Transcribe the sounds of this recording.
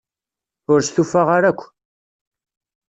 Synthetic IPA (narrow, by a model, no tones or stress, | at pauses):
ʊɾst̪ufaʁaɾækʷː